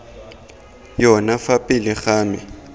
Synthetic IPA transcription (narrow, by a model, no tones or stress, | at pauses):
jɔnafapʼɪlɪɣaːmɪ